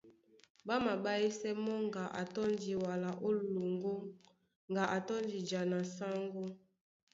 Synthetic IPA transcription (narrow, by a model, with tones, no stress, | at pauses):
ba˦ma˨ba˦i˦sɛ˦mɔ˦ŋɡa˨ʔa̰˨tɔ˦ndi˨wa˨la˨ʔo˦lo˨ŋɡo˦ | ŋɡa˨ʔa˨tɔ˦nd͡ʒi˨d͡ʒa˨na˨sa˦ŋɡo˦